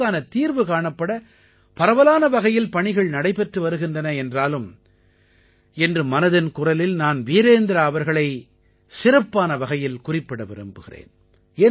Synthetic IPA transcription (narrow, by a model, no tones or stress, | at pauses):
aːnɐt̪iːɾʋɯkaːɳɐpːɐɽɐ | pɐɾɐʋɐlaːnɐʋɐɣɐjɪlpɐɳɪɣɐɭnɐɽɐɪpɛʈrɯʋɐɾɯɣɪndrɐnɐɛndraːlɯm | ɛndrɯmɐnɐðɐnkʊrɐlɪlnaːnʋiːɾeːnd̪ɪɾɐːʋɐɾɣɐɭɐɪ | sɪrɐpːaːnɐʋɐɣɐjɪlkʊrɪpːɐɽɐʋɪ̰ɾɯmbɯɣɪrḛːn | eː